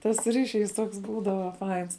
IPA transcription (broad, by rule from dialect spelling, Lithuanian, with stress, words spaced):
tɐs ˈrʲiːʃʲˌiːs ˈtoːks ˈbuːdɐʋɐ ˈfɐɪns